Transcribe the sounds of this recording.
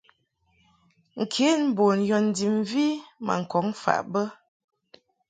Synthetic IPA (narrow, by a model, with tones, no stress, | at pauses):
ŋ̩˨kʰe˨˦n˨˦bo˨njɔ˨n̩˨di˨m˦vi˦ma̰˨ŋ̩˨kɔ˨˦ŋfa̰˨ʔbə˦